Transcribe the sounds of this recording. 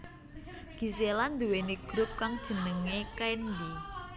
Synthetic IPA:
ɡ̥i̤seland̪uweniɡ̥ɾʊp̚kaŋd̥ʒ̥ə̤nəŋekajnd̪i

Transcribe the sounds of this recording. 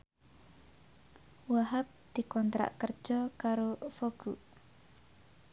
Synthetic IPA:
waɦap̚d̪̥i̤kɔnt̪ɾa̰ʔkər̥ʒ̥ɔkaɾofoɡ̥uʔ

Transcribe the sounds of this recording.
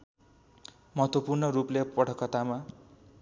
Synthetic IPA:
mʌɦʌt̪wopurnʌɾuplepʌʈʰʌkːʌt̪ama

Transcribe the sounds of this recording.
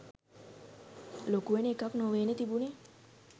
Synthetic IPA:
lokueneekaknoʋeːnet̪ibune

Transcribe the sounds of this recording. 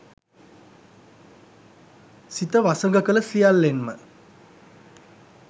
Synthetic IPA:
sit̪əʋasəŋɡəkələsijalːenmə̰

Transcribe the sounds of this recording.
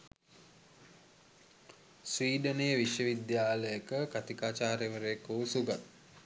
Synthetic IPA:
sʋiːɖəneːʋiʃjəʋid̪jaːləjəkəkat̪ikaːt͡ʃaːɾeʋəɾekuːsuɡat̪̚

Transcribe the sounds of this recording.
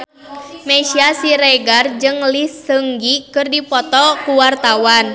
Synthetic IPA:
mɛʃiasiɾɛɡard͡ʒɨŋlisəŋɡikɨrdipɔt̪ɔkuwart̪awan

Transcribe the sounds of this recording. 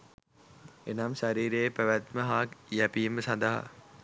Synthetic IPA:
enamʃaɾiːɾejːpæʋæt̪məɦaːkjæpiməsãnd̪aɦa̰

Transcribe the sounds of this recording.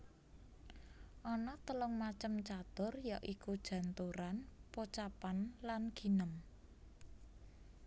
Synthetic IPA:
ʔɔnɔt̪əlʊŋmat͡ʃəmt͡ʃat̪ʊrjaʔikud̥ʒ̥ä̤nt̪uɾanpot͡ʃapanlanɡ̥i̤nəm

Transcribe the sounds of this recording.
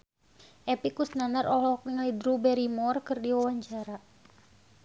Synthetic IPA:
ʔɛpikusnanaɾʔɔɦɔkŋlidɾubɛɾimɔrkɨrdiwawaɲt͡ʃaɾa

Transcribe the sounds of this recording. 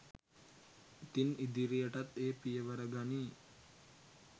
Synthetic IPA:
it̪inid̪iɾijəʈat̪eːpijəʋəɾəɡani

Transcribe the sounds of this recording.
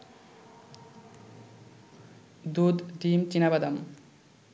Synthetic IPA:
d̪ud̪ɖimt͡ʃinabad̪ʌm

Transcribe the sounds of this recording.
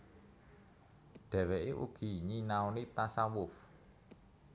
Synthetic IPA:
ɖ̪̥ɛ̤weʔeʔṵɡ̥i̤ɲinaonit̪asawʊf

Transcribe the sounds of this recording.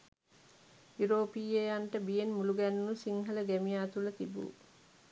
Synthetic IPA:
juɾoːpiːejaɳʈəbijenmuluɡænunusiŋɦələɡæmijaːt̪ulət̪ibṵː

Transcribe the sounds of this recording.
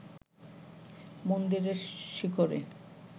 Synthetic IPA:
mond̪iɾeɾʃikoɾḛ

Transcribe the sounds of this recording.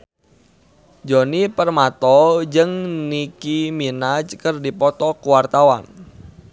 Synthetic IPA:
d͡ʒonipərmat̪ɔd͡ʒɨŋnikiminad͡ʒkərdipɔt̪ɔkuwart̪awa̰n

